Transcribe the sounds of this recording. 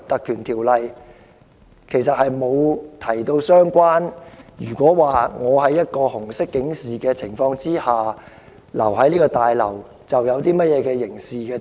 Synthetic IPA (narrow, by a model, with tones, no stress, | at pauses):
t̪ɐ˨kʰyː˨˩nt̪ʰiː˨˩wlɐ˨j | kʰe˨˩jsɐ˨t̚hɐ˨jmo˨˧wt̪ʰɐ˨˩jt̪o˧wsœː˥ŋkʷaː˥njyː˨˩kʷɔː˨˥waː˨ŋɔː˨˧hɐ˨˥jːɐ˥t̚kɔː˧hʊ˨˩ŋsɪ˥kːɪ˨˥ŋsiː˨kɛː˧t͡sʰɪ˨˩ŋfɔː˧ŋt͡siː˥haː˨ | lɐ̰˨˩wɦɐ˨˥jliː˥kɔː˧t̪aː˨jlɐ̰˨˩w | t͡sɐ˨wjɐ˨˧wt̪iː˥mɐ˥t̚jɛː˨˧kɛː˧jɪ˨˩ŋsiː˨kɛː˧